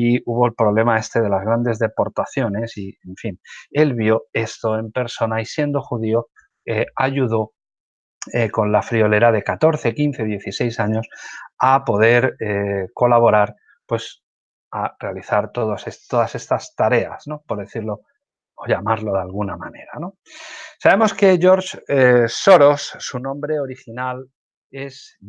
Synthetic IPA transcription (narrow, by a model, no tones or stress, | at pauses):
iuβ̞o̞elpɾo̞βle̞mae̞st̪e̞ð̞e̞lazɣɾand̪e̞zðe̞po̞ɾt̪aθjo̞ne̞sieɱfine̞lβjo̞e̞st̪o̞e̞mpe̞ɾso̞naisje̞nd̪o̞xuðio | eaʝuðo̞ | eko̞nlafɾio̞le̞ɾað̞e̞kat̪o̞ɾθe̞kinθe̞ðje̞θise̞jsaɲo̞sapo̞ð̞e̞ɾeko̞laβ̞o̞ɾaɾ | pwe̞s | are̞aliθaɾt̪o̞ðosest̪o̞ðase̞st̪ast̪aɾe̞a̰sno̞po̞ɾðe̞θiɾlo̞ | oʝamaɾlo̞ð̞alɣ̞unamane̞ɾano̞ | saβe̞mo̞ske̞ʝo̞ɾt͡ʃso̞ɾo̞sːunõ̞mbɾe̞o̞ɾixinal | e̞s